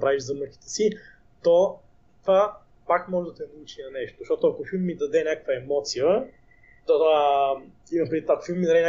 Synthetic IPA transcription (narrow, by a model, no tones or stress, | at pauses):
pɾaviʒzɐməki̥t̪ɛ̥si | t̪ɔ | t̪va | pakmɔʒɛd̪ɐt̪ɛnɐut͡ʃinɐnɛʃt̪oʃt̪ɔt̪ʊɐkofilˠmːid̪ɐd̪ɛnʲakə̥kvəɛmɔt̪sijə | t̪oa | inɐpɾit̪ɐkofilˠmːid̪ɐd̪ɛnʲa